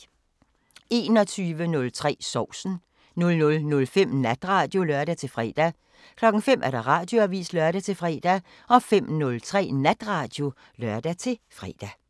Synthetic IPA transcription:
e̝ːnɒ̽t͡sʰyːʋənɔ̽lt͡sʰʁɛ̰ːsɒʊ̰sn̩ | nɔ̽lnɔ̽lnɔ̽lfem̰næd̥ʁɑ̈ːd̥jo̝lœɐd̥æt͡sʰe̝lfʁɛ̰ːd̥æ | kʰlɒ̽ɡ̥ŋ̩fem̰ʔæɐɾ̥ɑ̈ʁɑ̈ːd̥jo̝æʋḭːslɶɐɾæt͡sʰe̝lfʁɛ̰ːd̥æ | ʔɒ̽fem̰nɔ̽lt͡sʰʁɛ̰ːnæd̥ʁɑ̈ːd̥jo̝ | lɶɐ̰d̥æt͡sʰe̝lfʁɛ̰ːd̥æ

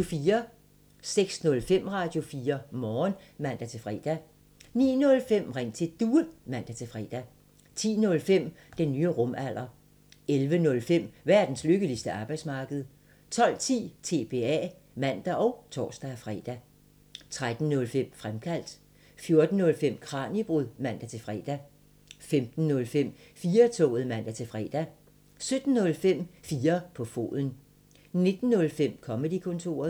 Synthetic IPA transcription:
ofiːɐ | seɡ̥snɔ̽lfem̰ʁɑ̈d̥jo̝fiːɐmɒːnmæn̰d̥æt͡sʰe̝fʁɛ̰ːd̥æ | nḭːnɔ̽lfem̰ʁeŋ̰t͡sʰe̝d̥uːɐnmæn̰d̥æt͡sʰe̝fʁɛ̰d̥æ | t͡sʰḭːnɔ̽lfem̰ | d̥enːyːəʁɔ̽mæl̰ɐ | elʋənɔ̽lfem̰ʋæɐd̥n̩sløɡ̥əlisd̥əʔɑ̈ːb̥ɑɪd̥smɑ̈ːɡ̥əð̩ˠ | t͡sʰɒ̽l̰t͡sʰḭːt͡sʰe̝̰ːb̥e̝̰ɛ̰ː | mæn̰d̥æʔɒ̽ʊt͡sʰɒ̰ːsd̥æfʁɛ̰ːd̥æ | t͡sʰʁad̥n̩nɔ̽lfem̰fʁamkʰæl̰d̥ | fjo̝ɐd̥n̩ːɔ̽lfem̰kʰʁɑ̈ːnib̥ʁuðˠmæn̰d̥æt͡sʰe̝lfʁɛd̥æ | femd̥n̩ːɔ̽lfem̰ | fiːɐt͡sʰɔ̰̽ːð̩ˠmæn̰d̥æt͡sʰe̝lfʁɛ̰d̥æ | sød̥n̩ːɔ̽lfem̰fiːɐpʰɒ̽fo̝̰ːðˠn̩ | ne̝d̥n̩ːɔ̽lfem̰kʰɒ̽məd̥ikʰɔ̽nt͡sʰo̝̰ːɐðˠ

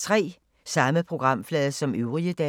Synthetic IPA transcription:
t͡sʰʁɛ̰ː | sɑ̈məpʰʁo̝ɡ̥ʁɑ̈m̰flɛːðˠɐsɒ̽møʊʁiəd̥ɛ

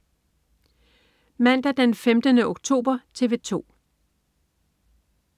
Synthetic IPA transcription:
mæn̰d̥æd̥enfemd̥ənəʔoɡ̥̚t͡sʰo̝̰ːb̥ɐt͡sʰe̝ʋe̝t͡sʰo̝̰ː

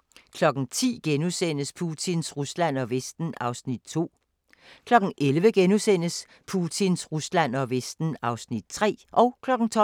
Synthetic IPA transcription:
kʰlɒ̽ɡ̥n̩t͡sʰḭːɡ̥enusen̰əspʰut͡sʰinsʁuslæn̰ɒ̽ʋesd̥n̩ɑ̈ʊsnid̥̚t͡sʰo̝̰ː | kʰlɒ̽ɡ̥n̩ʔelʋəɡ̥enusen̰əs | pʰut͡sʰinsʁuslæn̰ɒ̽ʋesd̥n̩ɑ̈ʊsnid̥̚t͡sʰʁɛ̰ːʔɒ̽ʊkʰlɒ̽ɡ̥n̩t͡sʰɒ̽

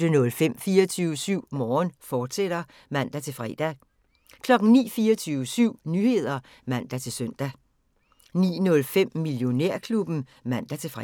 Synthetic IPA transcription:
d̥ənɔ̽lfem̰fiːɐt͡sʰyːʊəsyʊ̰mɒːnfɒːd̥sed̥ɐ | mæn̰d̥æt͡sʰe̝lfʁɛ̰d̥æ | kʰlɒ̽ɡ̥ŋ̩nḭːfiːɐɒt͡sʰyːʊəsyʊ̰nyhe̝ð̞̰ˠɐ | mæn̰d̥æt͡sʰe̝lsøn̰d̥æ | nḭːnɔ̽lfem̰miljo̝neɐ̰kʰlub̥n̩ | mæn̰d̥æt͡sʰe̝fʁ

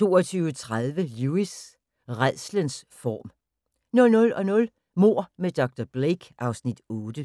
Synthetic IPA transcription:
t͡sʰo̝̰ːɒt͡sʰyːʊət͡sʰʁaðˠʋəluis | ʁað̰ˠslənsfɒ̰ːm | nɔ̽lnɔ̽lɒ̽nɔ̽l | mo̝ɐ̰med̥ɒ̽ɡ̥̚d̥ɒb̥leɡ̥ʔɑ̈ʊsnid̥ɔːd̥ə

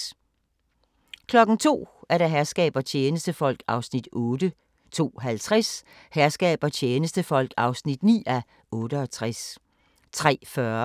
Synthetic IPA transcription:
kʰlɒ̽ɡ̥n̩t͡sʰo̝̰ːæɐɾ̥æ̈ɦæɐsɡ̥ɛ̰ːb̥ɐt͡ɕʰeːnəsd̥əfɒ̽l̰ɡ̥ɑ̈ʊsnid̥ɔ̽ːd̥ə | t͡sʰo̝̰ːɦælt͡sʰʁas | hæɐsɡ̥ɛ̰ːb̥ɐt͡ɕʰeːnəsd̥əfɒ̽l̰ɡ̥ɑ̈ʊsnid̥nḭːæ | ʔɔ̽ːɾəɒt͡sʰʁas | t͡sʰʁɛ̰ːfɶɐ

